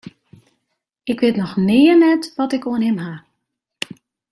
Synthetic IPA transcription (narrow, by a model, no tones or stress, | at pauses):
ɪkʋɪːtnɔxnɪːənɛtʋɔtɪkoənɦɪmɦa